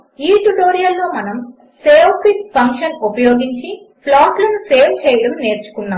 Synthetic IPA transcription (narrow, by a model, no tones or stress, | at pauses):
iːʈuʈo̞ːɾijɐlːo̞ːmɐnɐm | seːʋpʰippɐŋkʂɐnupɐjo̞ːɡiɲt͡ʃi | plaːʈlɐnuse̞ːʋt͡ʃɛːjɐɽɐmne̞ːɾt͡ʃu̥kunːaːm